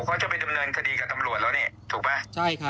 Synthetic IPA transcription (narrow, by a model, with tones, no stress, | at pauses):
kʰa˦˥wt͡ɕa˨˩pa˧jda˧mnɤː˧nkʰa˧diː˧kaː˨˩t̪a˧mɾu˨˩ət̪̚lɛː˦˥ni˥˩t̪ʰuː˨˩k̚ma˦˥t͡ɕʰa˥˩jkʰa˦˥